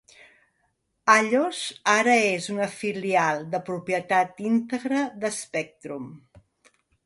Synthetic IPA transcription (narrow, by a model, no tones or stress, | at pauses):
aʎozaɾəezunəfilialˠd̪əpɾupjət̪at̪int̪əɣɾəðəspɛk̚t̪ɾum